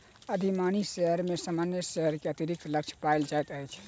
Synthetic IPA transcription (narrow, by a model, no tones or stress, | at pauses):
əd̪ʱimaniseɦəɾmesamanjəseɦəɾkeət̪iɾik̚t̪ləkt͡ʃʰpaeld͡ʒajt̪əjt͡ʃʰ